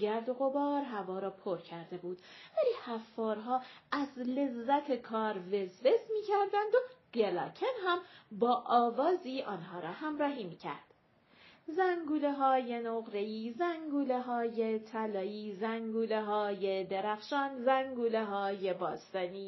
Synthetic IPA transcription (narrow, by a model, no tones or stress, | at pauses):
ɡæɾd̪o̞ɣo̞bɒːɾɦævɒːɾɒːpʰoɾcʰæɾd̪e̞buːd̪̥væliːhæfːɒːɾɦɒːæzle̞zːæt̪ʰe̞kʰɒːɾvezve̞smiːcʰæɾd̪ænd̪oɡ̥elɒ̰ːcʰenɦæmbɒːʔɒːvɒːziːʔɒːnɦɒːɾɒːhæmɾɒːɦiːmiːcʰæ̰ɾd̪̥ | zæŋɡuːleɦɒːje̞noɣɾe̞iːzæŋɡuːleɦɒːje̞t̪ʰælɒːiːzæŋɡuːleɦɒːjed̪eɾæxʃɒːnzæŋɡuːleɦɒːje̞bɒːst̪ɒniː